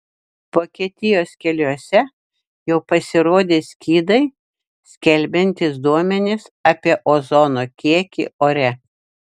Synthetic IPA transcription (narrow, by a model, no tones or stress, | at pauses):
ʋoːkʲiɛt̪ʲɪjoːskʲɛlʲuɔsʲɛ | jɛʊpɐsʲɪɾoːd̪ʲeːsʲkʲiːd̪ɐɪ | sʲkʲɛlʲbʲɛnʲt̪ʲɪsd̪uɔmʲɛnʲɪsɑːpʲiɛʔozɔnoːkʲiɛkʲḭʔoːɾʲɛ